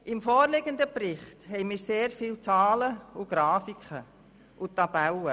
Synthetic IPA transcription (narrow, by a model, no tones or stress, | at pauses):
ʔɪmfoːrlɪɡənd̪əprɪχthɛɪmɪːɾseːɾfiːlt͡sɑːləʊɡ̥ɾɑːfikχə | ʔʊtɑb̥ælə